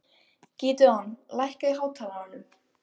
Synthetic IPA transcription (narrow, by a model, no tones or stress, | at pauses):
ciːt̪ʏanlajhkaiɦaːwt̪ʰaːlaanːʏm